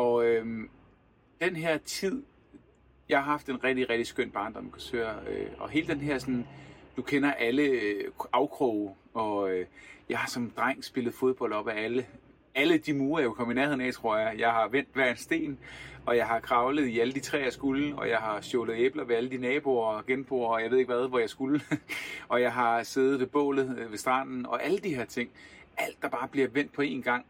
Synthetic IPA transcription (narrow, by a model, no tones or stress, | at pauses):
ɒ̽øm | d̥enɦeɐ̰t͡sʰið̰ˠ | jɑhɑ̈ɦɑ̈fd̥e̝nʁɛɡ̥̚d̥iʁɛɡ̥̚d̥isɡ̥øn̰b̥ɑ̈ːnd̥ɒmkʰɒsø̰ːɐøɒ̽ɦe̝ːləd̥enɦeɐ̰sɒ̽nd̥ukʰenɐʔæləɑ̈ʊkʰʁɔʊ | ɒ̽øjɑ̈ɪhɑ̈sɒ̽md̥ʁɑŋ̰sb̥e̝ləð̞̩ˠfo̝ð̞ˠb̥ɒ̽l̰d̥ɒ̽b̥æælə | æləd̥imuːɐjɑʋekʰɒ̽məinæɐeð̰ˠnɛ̰ɪt͡sʰʁo̝ɐ̰jɑɪjɑ̈ɪɦɑ̈ʋen̰d̥ʋæɐensd̥e̝̰ːnɒ̽jɑ̈ɪɦɑ̈kʰʁɑ̈ʊləð̞̩ˠiæləd̥it͡sʰʁɛ̰ːæsɡ̥ulɒ̽jɑ̈ɪhɑ̈sjɔːləð̩ˠeb̥lɐʋe̝æləd̥inɛːb̥o̝ːɐɡ̥enb̥ʁo̝ːɐɒ̽jɑ̈e̝ðˠeɡ̥ʋæð̞ˠʋɒjɑ̈ɪsɡ̥ul | ɒ̽jɑ̈ɪɦɑ̈sḛːð̩ˠʋe̝b̥ɔ̰̽ːlð̞̩ˠʋe̝sd̥ʁɑ̰̈ːd̥n̩ɒ̽ʔæləd̥ihe̝ɐt͡sʰe̝ŋ̰æl̰d̥ːɑ̈b̥ɑ̈ːb̥liɐʋen̰d̥̚pʰɒ̽e̝̰ːnɡ̥ɑ̈ŋ̰